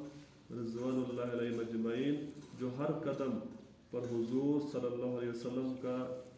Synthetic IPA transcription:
ɾɪzʋaːnʊlːaːɦɐleːɦɪmɐd͡ʒmɐiːnd͡ʑoːɦɐɾkɐd̪əm | pɐɾɦʊzuːɾsɐlːəlːaːɦʊɐleːʋɐsɐlːəmka

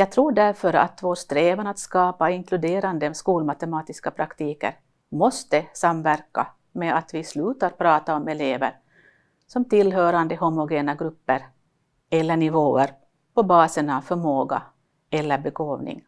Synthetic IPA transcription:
jɑːɡ̚t̪ʰɾuːɖæɾfœɾa̰t̪voːst̪ɾeːvənat̪skɑːpaɪŋklɵd̪eːɾand̪əskuːlmat̪ɛmɑːt̪ɪskapʰɾakt̪ʰiːkə̰ɾ | mɔst̪əsamvæɾka̰ | mɛat̪vɪslʉ̟ːt̪aɾpʰɾɑːt̪aɔmɛleːvə̰ɾ | sɔmt̪ʰɪlːɦœːɾand̪əɦʊmʊɡeːnaɡɾɵpːəɾ | ɛlːəɳɪvoːəɾ | pɔbɑːsənavfœɾmoːɡa̰ | ɛlːəɾbɛɡoːvnɪ̰ŋ

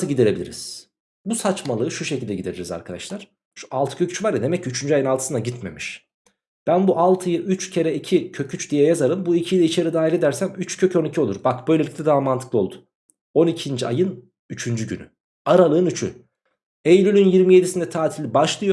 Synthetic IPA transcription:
ɯɟid̪eɾe̞bilʲḭɾḭz̥ | busat͡ʃmalˠɯːɯʃuʃecilʲd̪ɛɟid̪eɾiɾiza̰ɾkʰad̪a̰ʃlˠaɾ̥ | ʃu̥alˠt̪ʰɯ̥cʰøcʰy̥t͡ʃvaɾjad̪e̞mɛcːyt͡ʃʰynd͡ʒyajɯnalˠt̪ʰɯ̥sɯnaɟit̪me̞̰miʃ | b̥ænbuʔalˠt̪ʰɯjɯʔyt͡ʃcʰe̞ɾɛicʰicʰø̞cʰyt͡ʃd̪ijɛjazaɾɯmbuicʰiilʲɛit͡ʃʰeɾid̪aːɦilʲe̞d̪æɾsæmyt͡ʃcʰø̞cʰonicʰiolˠuɾbakbø̞jlelʲict̪ʲɛd̪aːmant̪ʰɯklˠɯo̞lˠd̪ʊ̥ | o̞nicʰind͡ʒia̰jɯn | yt͡ʃʰynd͡ʒyɟy̰ny̰ | aɾalˠɯːnyt͡ʃʰy̰ | ejlʲylʲynjiɾmije̞d̪isind̪ɛt̪ʰaːt̪ʰilʲibaʃlˠɯjo

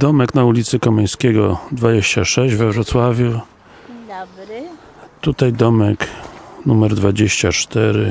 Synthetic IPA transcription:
d̪ɔmɛknaulʲit̪sɘkɔmɛj̃skʲɛɡɔd̪vad͡ʑeɕt͡ɕaʂɛɕd͡ʑvɛvɾɔt̪swavʲju | t̪ut̪ajd̪ɔmɛknumɛɾd̪vad͡ʑeɕt͡ɕat͡ʂt̪ɛɾɘ

